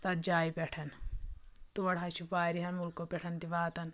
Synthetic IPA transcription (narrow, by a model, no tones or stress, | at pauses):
t̪ɐt̪̚d͡ʒaːipʲɛʈʰɐn | t̪uɐɽɦaːt͡ʃʰupaːɾiɦɐnmulkopʲɛʈʰɐnt̪iʋaːt̪ɐn